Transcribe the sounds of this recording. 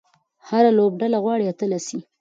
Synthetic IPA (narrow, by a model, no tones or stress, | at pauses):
haɾalob̚ɖalaɣwɑɽiat̪əlasi